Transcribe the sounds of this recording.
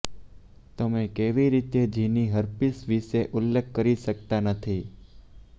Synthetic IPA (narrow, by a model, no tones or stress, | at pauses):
t̪əmẽkeʋiɾit̪ed͡ʒʱiniɦəɾpisʋiʃeʔʊlːekʰːəɾiʃək̚t̪anət̪ʰi